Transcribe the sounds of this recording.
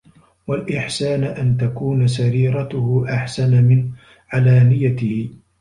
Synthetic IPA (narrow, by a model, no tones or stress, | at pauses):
walʔɪħsaːnʔant̪akuːns̬aɾiːɾˤɑt̪ʊhʊʔaħsanamɪn | ʕalaːmɪjat̪ɪhɪ